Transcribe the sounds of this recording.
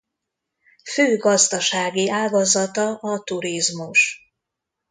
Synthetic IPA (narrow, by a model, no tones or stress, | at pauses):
føːɡɒzd̪ɒʃaːɡiʔaːɡɒzɒt̪ɒʔɒt̪uɾizmuʃ